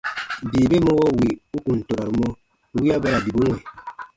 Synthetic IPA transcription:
diː˨be˦mo˦wɔ˦˨wi˨u˦ku˨n̩˨to˨ɾa˨ɾu˨˦mɔ˦ | wi˦a˦bɛ˦ɾa˨bi˨bu˦ŋʷwɛ˨

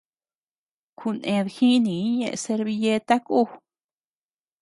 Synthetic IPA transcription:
kʰu˧nẽ˧ðxĩ˦nĩ˨˦ɲḛ̃˧ʔse˧ɾβi˧je˦t̪a˦kʼu˦˧

